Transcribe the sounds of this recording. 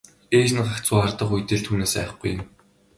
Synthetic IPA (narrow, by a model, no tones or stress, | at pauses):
eːt͡ɕ̆nɢakt͡sʊːart̪ə̆χujt̪ĕɮt̪ʰuːneːsæ̰ːχɡujɪ̆m